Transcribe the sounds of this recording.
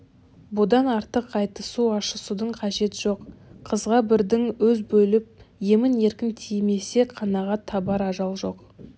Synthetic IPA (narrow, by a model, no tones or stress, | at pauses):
bʊd̪ɑnɑɾt̪əqːɑjt̪əsuɑʃəsud̪əɴqʰɑʒe̞t̪ʒ̥oqʰːəzʁɑbɪɾd̪ɪŋwɵzbɵlɪp̚je̞mɪne̞ɾkʲɪnt̪ʰijme̞se̞qʰɑnɑʁɑt̪ʰːɑbɑɾɑʒɑlˠʒo̞q